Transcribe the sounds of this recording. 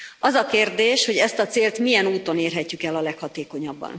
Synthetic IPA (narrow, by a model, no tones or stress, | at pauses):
ɒzɒkeːrd̪eːʃho̞ɟɛst̪ɒt̪seːlt̪mijɛnuːt̪o̞neːrɦɛcːykɛlːɒlɛkhɒt̪eːko̞ɲɒbːɒ̰n